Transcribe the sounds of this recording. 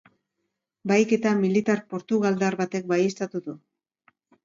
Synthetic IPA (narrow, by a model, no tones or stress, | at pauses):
bajke̞t̪amilit̪aɾpo̞ɾt̪uɣ̞ald̪aɾβat̪e̞k̚baje̞st̪at̪uðu